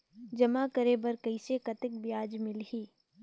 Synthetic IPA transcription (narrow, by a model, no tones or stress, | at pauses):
d͡ʒɐmakɐɾeːbɐɾkɐisekɐt̪ɪk̚bɪjaːd͡ʒmɪlɦiː